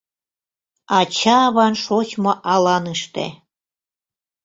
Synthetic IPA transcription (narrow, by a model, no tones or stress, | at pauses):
ɑt͡ɕɑβɑnʃot͡ɕmoʔɑlɑnɨʃt̪ḛ